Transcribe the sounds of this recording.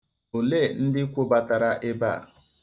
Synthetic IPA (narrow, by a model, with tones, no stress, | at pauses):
o˨le˦˨n̩˦dɪ˦kʷo˦ba˨ta˨ɾa˦ʔe˦ba̰˦˨